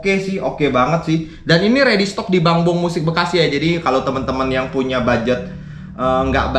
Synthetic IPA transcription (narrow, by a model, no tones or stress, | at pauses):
kesɪhokebaŋət̪̚sɪh | daniniɾedist̪ɔk̚dibaŋbʊŋmusɪk̚bəkasɪɦd͡ʒadikalowt̪əmənt̪əmənjaŋpuɲabad͡ʒət̪̚ | ʔəŋɡa̰ʔb